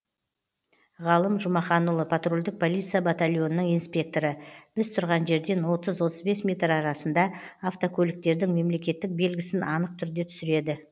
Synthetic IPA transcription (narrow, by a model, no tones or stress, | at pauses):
ʁɑlˠəmʒʊmɑχɑnulˠəpʰat̪rolʲd̪ɪk̚pʰo̞lʲˠit̪sɨijabat̪alʲjo̞nənəɴijnspʲe̞k̚t̪o̞ɾəb̥ɪst̪ʰʊɾʁɑnʒe̞ɾd̪e̞nwo̞t̪əzwo̞t̪əzbe̞smʲe̞t̪rɑɾɑsənd̪ɑːft̪okʰʲɵlʲɪk̚t̪e̞ɾd̪ɪŋme̞mle̞kʲe̞t̪ːɪk̚be̞lɡʲɪsɪnʔɑnəq̚t̪ʰʏɾd̪e̞t̪ʰʏ̥sɪɾe̞d̪ɪ